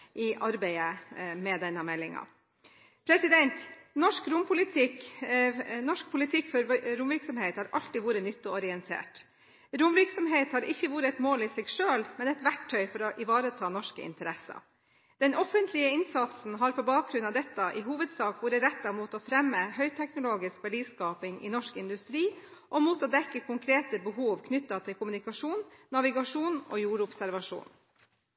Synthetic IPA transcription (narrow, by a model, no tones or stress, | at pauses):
ʔɪʔɑɾbæɪəmɛd̪ɛnːəmɛlːɪŋɑ̰ | pʰɾɛsɪd̪ɛnt̪nɔʂkɾʊmpʰʊlɪt̪ʰɪk | nɔʂk̚pʰʊlɪt̪ʰɪkːfɔɾɾʊmʋɪɾksɔmheːt̪hɑɾʔɑ̰lt̪ɪʋuːɾənʏt̪ːɔɔɾɪɛnt̪ʰḛːʈ | ɾʊmʋɪɾksɔmɦeːt̪hɑɾʔɪçːəʋuːɾəɛt̪moːlɪsɛɡʂøːlmɛnɛt̪ʋæʈʰːœʏfɔɾɔʔɪʋɑːɾət̪ʰɑːnɔʂkə̰ɪ̰nt̪əɾɛsɑ̰ | d̪̥ɛnʔɔfənt̪ʰlɪəɪnsɑt̪sn̩ɦɑɾpʰɔbɑːk̚ɡɾʉnɑʋd̪ɛt̪ːɑʔɪɦuːʋəd̪sɑːkʋuːɾəɾɛt̪ːɑmuːt̪ɔfɾɛmːəhœʏt̪ʰɛknʊloːɡɪskʋæɖiːskɑːpɪŋɪ̰nɔʂkɪnd̪ʉst̪ɾiːʔɔmuːt̪ɔːd̪ɛkːəkʰʊŋkʰɾeːt̪əbəɦuːʋkʰnʏt̪ːɑt̪ʰɪlkʰʊmʉnɪkɑʂuːnːɑʋɪɡɑʂuːno̰ːjuːɾʊpsæɾʋɑʂṵːn